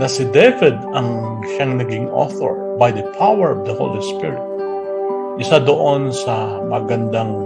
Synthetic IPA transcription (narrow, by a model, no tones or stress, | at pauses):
nɐsɪd̪ɛvɪd̪̚ɐŋ | ʃaŋnɐɡiŋʔo̰θo̰ɹ | bajd̪ɐpʰawɛɹɔvd̪ɐho̰wlispɪ̰ɹɪt̪̚ | ʔɪsad̪oʔonsɐ | mɐɡɐnd̪aŋ